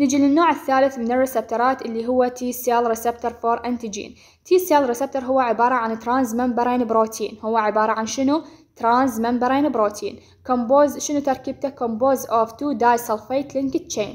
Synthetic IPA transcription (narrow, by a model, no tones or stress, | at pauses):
nɪd͡ʒilɪnːoːʕɪθːaːlɪθmɪnɪrˤːɪsɪb̚t̪ʊɾˤɑːt̪ʔɪlːiɦʊwːat̪iːseːlɾɪsɛb̚t̪ʊɾˤfoɾˤʔant̪id͡ʒḭːn | t̪ʰiːseːlɾɪsɪb̚t̪ʊɾɦʊwːaʕɪbɑːɾˤɑʕanɪt̪ːɾˤaːnzmambɑɾˤeːnɪbɾoːt̪ʰiːnhʊwːaʕɪbɑːɾˤɑʕanʃɪnut̪ɾˤaːnzmambɑɾˤeːnɪbɾoːt̪ʰḭːn | komboːzʃɪnut̪ɑɾˤkiːb̚t̪akomboːzʔoft̪uːd̪aːjsɑlfeːt̪lɪŋkɪt̪̚t͡ʃeːn